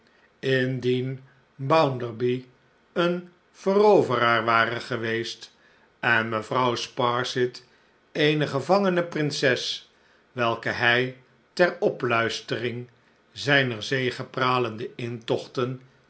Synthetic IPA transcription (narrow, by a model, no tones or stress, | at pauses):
ɪndin | bʌwndəɹbi | ən | v̥ərowvəraːɹʋaːrəχəʋejst | ɛnməvrʌwspɑɹsɪt | ejnəχəvɑŋənəprɪnsɛs | ʋɛlˠkəɦɛj | tɛrɔplœɥstərɪŋ | zɛjnəɹzejχəpraːləndəɪntɔχtən